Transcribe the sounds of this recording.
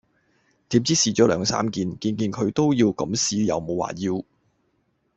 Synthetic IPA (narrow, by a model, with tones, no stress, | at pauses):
t̪iː˨˥mt͡siː˥siː˧˩t͡ʃɔː˨˥lœː˨˧ŋsa̰ː˥mkiː˧nkiː˧nkiː˧nkʰɵ˨˧ɥt̪o˥wjiː˧wkɐ˨˥msiː˧jɐ̰˨˧wmo˨˧wa̰ː˨˩jiː˧w